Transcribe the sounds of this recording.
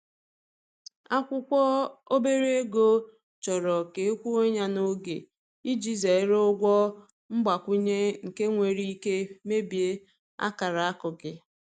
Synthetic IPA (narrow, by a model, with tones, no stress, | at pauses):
a˦kʷʊ˦kʷɔ˦o˦be˦ɾe˦e˦ɡo˦ | t͡ʃɔ˨ɾɔ˨ke˨˦kʷu˦o˦ɲa˦no˦ɡḛ˨ | i˦d͡ʒi˦ze˨˦ɾʊ˦ɡʷɔ˦ | m̩˦ɡ͡ba˨kʷʊ˦ɲe˦ŋ̩˨ke˦ŋʷe˨ɾi˦i˦ke˦me˦bi˨e˦ | a̰˦ka˨ɾa˨a˦kʊ˨ɡɪ˨